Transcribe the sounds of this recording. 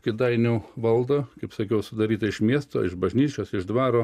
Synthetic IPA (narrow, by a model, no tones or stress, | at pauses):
kʲɪd̪ɐɪnʲuːʋɐlˠd̪oːkɐɪpsɐkʲɛʊsʊd̪ɐɾʲiːt̪ɐɪʃmʲiɛst̪o̰ːɪʃbɐʒʲnʲiːt͡ʃʲoːsɪʒd̪ʋɑːɾoː